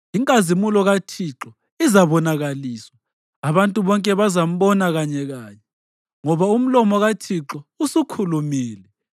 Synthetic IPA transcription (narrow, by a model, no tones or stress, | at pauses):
iŋkʼazimulɔɣatʰiǁɔ | izaβɔnaɣaliːswaː | βantʼuβɔŋkʼɛβazam̩βɔnaɣaɲɛɣaːɲɛ | ŋɔβaum̩lɔmɔɣatʰiǁɔusukʰulumiːlɛ